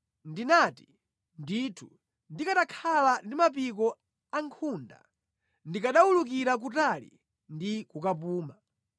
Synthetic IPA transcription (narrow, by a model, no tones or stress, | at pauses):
ndinati̥ | nditʰu̥̰ | ndikatakʰalandimap̬ik̬ɔ | aŋkʰunda̰ | ndikaɗawuluk̬iɾak̬utalḭ | ndikukap̬uːma